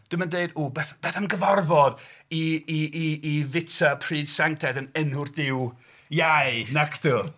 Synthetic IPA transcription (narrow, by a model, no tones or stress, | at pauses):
d̥ɪməndeɨduːbɛθb̥ɛːθanɡəvɔrvɔdiiiːvɪtʰapʰr̥iːd̥sɛŋtʰɛdənənhʊrθdɪw | jajnakʰtu